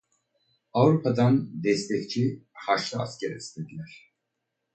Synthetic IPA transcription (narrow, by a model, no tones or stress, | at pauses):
avɾupʰad̪and̪ɛst̪ʰɛct͡ʃʰihaʃlˠaa̰scʰɛɾist̪ʰed̪ilʲæɾ̥